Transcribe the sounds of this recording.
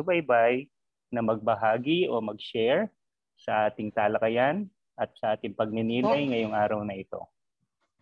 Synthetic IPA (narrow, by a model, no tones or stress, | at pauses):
ʊbɐjbaj | nɐmɐɡ̚bɐɦaːɡiʔo̞mɐɡ̚ʃɛɹ | sɐʔaːt̪ɪŋt̪aːlɐkɐjan | ʔɐt̪̚sɐʔaːt̪ɪŋpɐɡ̚nɪniːlɐjŋɐjoŋʔaːɾɐwnɐʔɪt̪o̞̰